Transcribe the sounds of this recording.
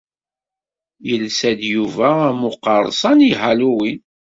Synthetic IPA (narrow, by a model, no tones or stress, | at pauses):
jəlsæd̪juvææmʊqːɑɾˤsˤɑnihæluwin